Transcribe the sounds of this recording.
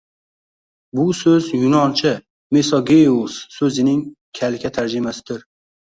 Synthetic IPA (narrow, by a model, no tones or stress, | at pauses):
bʊsɵzjʊnɒnt͡ʃʰɪ | mesɒɡʲejussːɵzɪnɪŋkʲʰalɪkʲʰat̪ʰaɾd͡ʒɪmasɪd̪ɪɾ